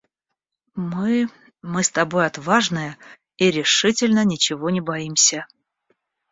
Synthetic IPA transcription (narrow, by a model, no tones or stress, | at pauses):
mɨ | mɨst̪ɐbo̞jɐt̪vaʐnɨjə | iɾʲɪʂɨtʲɪlʲnənʲɪt͡ɕɪvo̞nʲɪbɐimsʲə